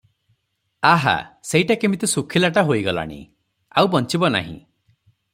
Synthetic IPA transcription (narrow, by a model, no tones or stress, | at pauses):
aɦa̰seiʈakemit̪usukʰilaʈaɦoiɡɔla̰ɽ̃ḭ | a̰wbɔnt͡ʃibɔna̰ɦḭ̃